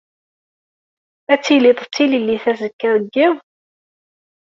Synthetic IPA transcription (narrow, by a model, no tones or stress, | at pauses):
æt͡sːilet̪ˤət͡sːililːiθæzəkːəɾəɡːið